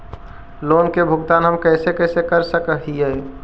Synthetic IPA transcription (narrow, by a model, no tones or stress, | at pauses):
lonkebʱuɡt̪anɦəmkəɪsekəɪsekəɾsəkəɦijɛ